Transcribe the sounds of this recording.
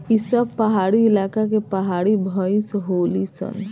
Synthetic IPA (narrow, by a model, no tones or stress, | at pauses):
isəb̚pəɦaɽiɪlakakepəɦaɽibʱəĩsɦolisə̰n